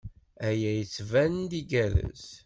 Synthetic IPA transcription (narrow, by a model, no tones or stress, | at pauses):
æjæjət͡sːvænnd̪iɡælə̰s